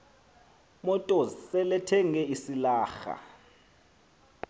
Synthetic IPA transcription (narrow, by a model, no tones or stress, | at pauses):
mɔtʼɔsɛlɛtʰɛŋɛisilaːxa̰